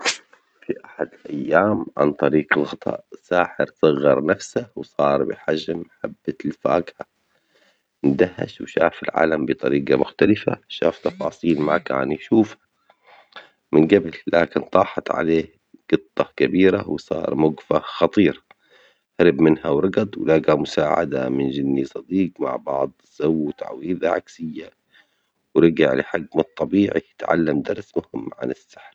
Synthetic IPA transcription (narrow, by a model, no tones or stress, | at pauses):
fiʔaħad̪ɪlʔajːaːmʕa̰nt̪ˤɑɾiːqɪlɣɑt̪ˤɑ̰ːʔsaːħɪ̰ɾsˤɑɣːɑɾˤnafsawsˤɑːɾˤbɪ̰ħaʒmħabːalfa̰ːɡha | nd̪ahːa̰ʃwʃaːfɪlʕa̰ːlambɨt̪ˤɑ̰ɾiːɡɑmʊxt̪alɪfa̰ʃa̰ːft̪ɑfɑːsˤiːlmaka̰ːnjʃuːfha | mɪnɡablːaːkɪnt̪ˤɑːħɑt̪ʕa̰leː | ɡ̥ɨt̪ˤːɑkabiːɾa̰wsˤɑ̰ːɾˤmʊɡfaxɑt̪ˤiːɾ | haɾɪbmɪnhawɾˤɑɡɑd̪ˤwlaɡamʊsaːʕa̰d̪a̰mɪnd͡ʒɪnːisˤɑd̪iːqma̰ʕbɑ̰ʕd̪ˤz̥awːt̪a̰ʕwiːðaʕa̰ksɪjːa | wɾɪɡɪʕlɪħaɡːmt̪ˤːɑbiːʕijɪt̪ʕa̰lːamd̪ɑɾˤsmʊhɪmːʕa̰nɪsːaħɾ